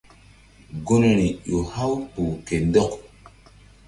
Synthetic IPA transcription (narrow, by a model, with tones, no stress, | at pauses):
ɡo˦ne˨ɾi˨jo˨ha˦wpu˨ke˨ndɔ˦k